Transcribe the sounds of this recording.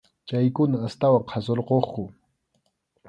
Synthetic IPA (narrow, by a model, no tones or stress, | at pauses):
t͡ʃajkʊnaːst̪awaqʰɑsoɾqoχkʊ